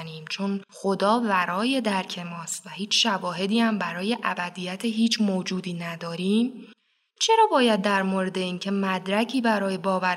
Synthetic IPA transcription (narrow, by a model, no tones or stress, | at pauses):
niːmt͡ʃʰo̞nxo̞d̪ɒːvæɾɒːje̞d̪æɾcʰe̞mɒːst̪væhiːt͡ʃʰʃævɒːɦe̞d̪iːhæmbæɾɒːje̞ʔæbæd̪iːjæt̪ʰeɦiːt͡ʃʰmoːd͡ʒuːd̪iːnæd̪ɒːɾiːm | t͡ʃʰe̞ɾɒːbɒːjæd̪̚ːæɾmoɾe̞d̪e̞iːŋcʰe̞mæd̪ɾæcʰiːbæɾɒːje̞bɒːvæ